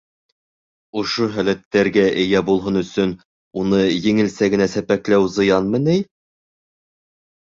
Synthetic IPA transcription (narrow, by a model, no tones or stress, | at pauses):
ŏʃoɦælæt̪ːæɾɡæʔɘ̆jæbulˠɦonɵ̆sɵn | unɤjɘ̆ŋɘ̆lsæɡɘ̆næsæpæklæwzɤ̆jɑnmɘnɘj